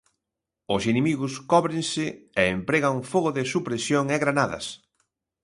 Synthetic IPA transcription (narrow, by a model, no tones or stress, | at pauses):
ʊsinemiɣʊskɔβɾɪnsɪeempɾeɣaufoɣoʊðɪsupɾesjoŋɛɣɾanaðɐ̰s